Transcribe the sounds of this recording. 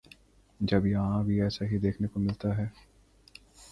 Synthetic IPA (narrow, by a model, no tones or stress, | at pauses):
d͡ʒɐbjɐɦãbʱiɛːsaɦid̪eːkʰnekomɪlt̪aɦɛː